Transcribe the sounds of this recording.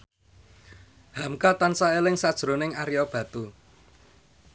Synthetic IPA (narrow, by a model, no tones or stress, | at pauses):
hamkat̪ansaelɪŋsad̥ʒ̥ɾo̤nɪŋaɾijɔb̥ä̤t̪u